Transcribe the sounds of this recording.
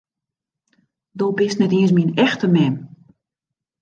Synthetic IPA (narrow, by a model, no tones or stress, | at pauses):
dolbɪstnɛtiənsminɛxtəmɛm